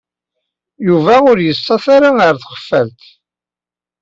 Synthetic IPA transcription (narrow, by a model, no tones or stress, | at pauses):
juvæʊɾjəsːɑθaɾaəɾθχə̥fːælt̪